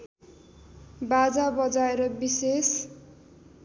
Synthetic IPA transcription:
bad͡zabʌd͡zaeɾʌbises

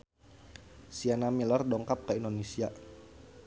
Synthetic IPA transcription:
sianamilardɔŋkap̚kaindonesia

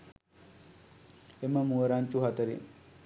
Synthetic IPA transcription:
eməmuəɾaɲt͡ʃuɦat̪əɾḭ

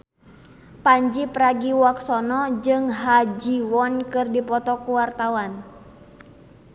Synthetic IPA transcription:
paɲd͡ʒipɾaɡiwaksɔnɔd͡ʒɨŋɦad͡ʒiwɔnkɨrdipɔt̪ɔkuwart̪awan

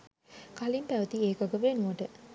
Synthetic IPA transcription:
kalimpæʋət̪ieːkaɡəʋenuʋəʈə

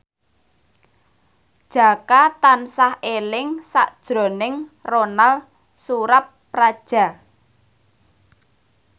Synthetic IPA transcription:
d̥ʒ̥a̤kat̪ansahelɪŋsa̰ʔd̥ʒ̥ɾo̤nɪŋronal | suɾapː | rad̥ʒ̥ä̤

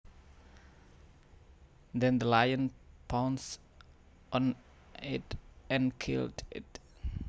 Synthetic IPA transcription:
d̪ɛ̃nd̪əlajə̃npʰãwns | ʔɔ̃n | ɪ̰tɛ̃nkʰɪ̰ldɪ̰t

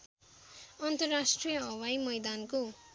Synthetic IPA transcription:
ʌnt̪ʌrːasʈrijʌʌwajmʌjd̪anko

